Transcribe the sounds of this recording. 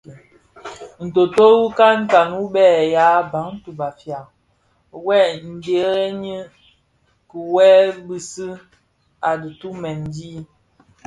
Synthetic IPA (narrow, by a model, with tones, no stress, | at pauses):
n̩˨to˨to˦wu˦ka˦ŋ̩˦ka˨nu˦ɓɛː˦˨ja˦ba˨˦ŋ˦tu˨ba˨fja˨ | wɛ˦˨n̩˨de˨ɾɛ˦ɲi˦ | kə˨wɛ˦bi˦si˦ | a˨di˨tu˦mɛ˨n˦di˦